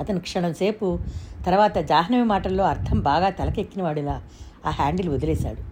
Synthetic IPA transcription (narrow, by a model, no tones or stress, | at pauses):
ɐt̪ɐnikʂɐɳɐmse̞ːput̪ɐɾʋaːt̪ɐd͡ʒaːɦɐnɐmimaːʈɐlːo̞ːɐɾt̪ʰɐmbaːɡaːt̪ɐlɐkekːinɐʋaːɽilaː | aːɦaːɳɖiluod̪ɐlɛːsa̰ːɽu